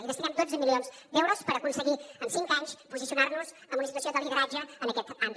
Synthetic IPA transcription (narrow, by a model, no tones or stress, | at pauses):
iðəst̪inɛmd̪od͡zəmilionzd̪ɛwɾuspəɾəkunsəɣiənsiŋkaɲspuzisiunaɾnuzəmunisit̪usiod̪əlˠɣiɣəɾad͡ʒəənəkɛt̪an